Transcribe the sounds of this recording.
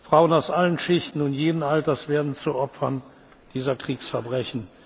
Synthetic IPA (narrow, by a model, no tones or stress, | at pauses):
fʁ̥aʊənaʊsʔalənʃɪçtn̩ʊntjeːdən̩altɐsv̥eːɐdn̩t͡suʔɔpfɐn | d̥iːzɐkʁ̥iːksfɛɐbʁɛçn̩